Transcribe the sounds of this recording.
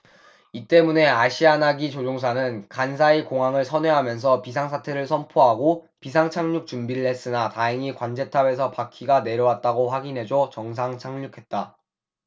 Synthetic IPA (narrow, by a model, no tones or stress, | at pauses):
it͈e̞mune̞aɕʰianaɡit͡ɕod͡ʑoŋs̬ʰanɯnkans̬ʰaikoŋaŋɯɭsʰʌnwe̞ɦamjʌns̬ʰʌpis̬ʰaŋsʰatʰe̞ɾɯɭsʰʌnpʰoɦaɡo | pisʰaŋt͡ɕʰaŋɲuk̚t͡ɕumbiɾɭːe̞s͈ɯnataɦeŋikwand͡ʑe̞tʰabe̞sʰʌpakʰiɡane̞ɾjʌwat̚t͈aɡoɸwaɡinɦe̞d͡ʑot͡ɕʌŋs̬ʰaŋt͡ɕʰaŋɲukʰe̞t̚t͈a